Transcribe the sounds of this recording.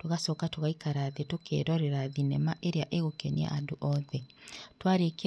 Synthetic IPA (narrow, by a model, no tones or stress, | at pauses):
toɣasɔːkatoɣaikaɾaðetokḛɾɔɾeɾaðinɛmaʔeɾeaʔeɣokenia̰ʔadoʔɔðɛtwaɾek